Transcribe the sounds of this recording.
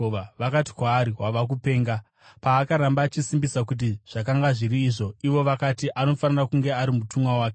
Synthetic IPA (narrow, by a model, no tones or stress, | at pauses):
ʋaʋakati̥kwaːɾiwaʋak̬upe̞ːŋɡa | paːkaɾambaːt͡ʃisimbisakut̬iʐ̥akaŋɡaʐiɾiːʐo̞iʋo̞ʋakatiʔano̞fanirakuŋɡe̞aɾimutumwawaːke